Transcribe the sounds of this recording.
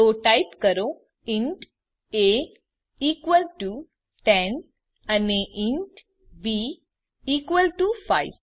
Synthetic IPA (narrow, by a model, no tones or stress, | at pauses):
oʈajpkəɾo | iɳʈ | e | iːkʋəlʈu | ʈen | aniʔiɳʈ | bi | iːkʋəlʈufajʋ